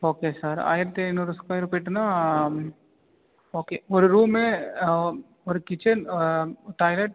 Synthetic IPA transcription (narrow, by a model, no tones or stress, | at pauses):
oːkesəɾa̰ːɪɾt̪enoɾʊskaːjɾpeʈna | oːkeoɾɾuːmẽ | oɾkɪt͡ʃən | ʈaːɪleʈ